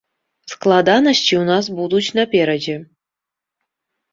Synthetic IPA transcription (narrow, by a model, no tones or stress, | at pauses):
sklˠɑd̪ɑnəɕt͡ɕiunɑs̬bud̪ut͡ɕnɑpʲeɾʲed͡ʑe